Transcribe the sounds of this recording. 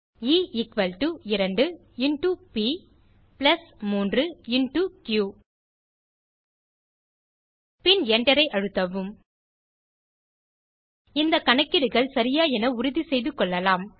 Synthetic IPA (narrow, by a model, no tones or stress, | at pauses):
iːɪkʋɐlʈuɪɾɐɳɖɯ | ɪɳʈupi | plɐsmuːndrɯɪnʈukjuː | pɪnɛɳɖɐɾɐɪʔɐɻɯt̪ːɐʋɯm | ɪnd̪ɐkɐɳɐkːɪɾɯɣɐɭsɐɾɪjaːɛnɐʊɾʊðisɛjðɯkːɔɭːɐlaːm